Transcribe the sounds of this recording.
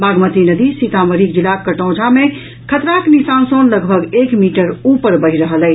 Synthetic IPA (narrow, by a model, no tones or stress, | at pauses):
baɡmət̪inəd̪isit̪aməɾik̚d͡ʒilakəʈɔ̃d͡ʒʱame | kʰət̪ɾaknisansonləɡbʱəɡekmiʈəɾupəɾbəɦiɾəɦəlɛ